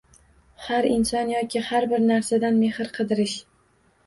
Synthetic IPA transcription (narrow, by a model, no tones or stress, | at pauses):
haɾɪnsɒnjɒkʰʲɪhaɾbɪɾnaɾsad̪anme̞hɪɾqʰɨd̪ɪɾɪʃ